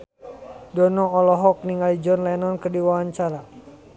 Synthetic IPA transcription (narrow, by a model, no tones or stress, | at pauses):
dɔnɔːlɔɦɔk̚niŋalid͡ʒɔnlɛnɔnkərdiwawaɲt͡ʃaɾa